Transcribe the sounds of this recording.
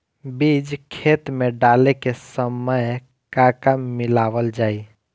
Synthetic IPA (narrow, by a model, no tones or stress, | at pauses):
bid͡ʒkʰeːt̪mẽɖaːlekesəməj | kakamːɪlaːʋəld͡ʒaːi